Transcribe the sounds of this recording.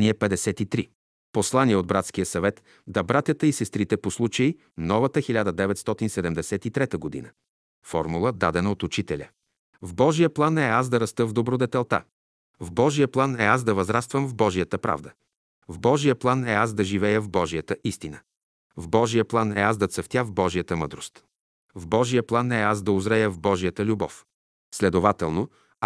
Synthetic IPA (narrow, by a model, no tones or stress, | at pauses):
niɛpɛd̪ɛsɛt̪it̪ɾi | poslˠaniɛod̪̚bɾat̪skijəsɐvɛt̪ | d̪ɐbɾat̪jət̪əisɛst̪ɾit̪ɛposlˠut͡ʃəi | nɔvət̪əxilʲad̪əd̪ɛvɛt̪st̪ɔt̪insɛd̪ɛmd̪ɛsɛt̪it̪ɾɛt̪əɡod̪ḭnə | fɔɾmulˠəd̪ad̪ɛnəot̪ut͡ʃit̪ɛlʲə | vbɔʒijəplˠanɛaz̬d̪ɐɾɐst̪ɤvd̪obɾod̪ɛt̪ɛlˠt̪a̰ | vbɔʒijəplˠanɛazd̪ɐvɐzɾast̪vəmvbɔʒijət̪əpɾʔa̰vd̪ə | vbɔʒijəplˠanɛasd̪ɐʒivɛjəvbɔʒijət̪əʔist̪inə | vbɔʒijəplˠanɛasd̪ɐt̪səft̪ʲavbɔʒijət̪əmɤd̪ɾost̪ | vbɔʒijəplˠanːɛasd̪ɐʊzɾɛjəvbɔʒijət̪əlʲubɔf | slɛd̪ovat̪ɛlˠno